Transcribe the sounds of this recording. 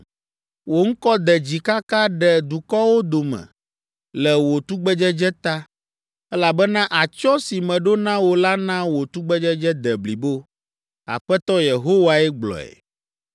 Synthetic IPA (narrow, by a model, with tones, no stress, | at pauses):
wo˨ŋ̩˦kɔ˦d̪ɛ˨d͡ʑi˨ka˦ka˦ɖɛ˨d̪u˨kɔ˦wo˦d̪o˨mɛ̰̃˨ | lɛ˨wo˨t̪u˦ɡ͡bɛ˦d͡ʒɛ˦d͡ʒɛ˦t̪a˦ | ɛ˦la˨bɛ˦nã˦ʔa˨t͡ʃɔ˦si˨mɛ̃˨ɖo˦nã˦wo˨la˦nã˦wo˨t̪u˦ɡ͡bɛ˦d͡ʒɛ˦d͡ʒɛ˦d̪ɛ˨bli˨bo˦ | a̰˨ɸɛ˦t̪ɔ˦je˨ɦo˦wa˨ɛ˦ɡ͡blɔ̰˨ɛ̰˨